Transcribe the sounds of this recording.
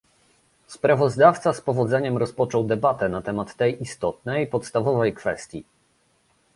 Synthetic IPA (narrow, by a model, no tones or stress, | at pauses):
spɾavɔzd̪aft̪saspɔvɔd̪zɛɲɛmɾɔspɔt͡ʂɔwd̪ɛbat̪ɛnat̪ɛmat̪ːɛjʔist̪ɔt̪nɛjpɔt̪st̪avɔvɛjkfɛ̰st̪ʲji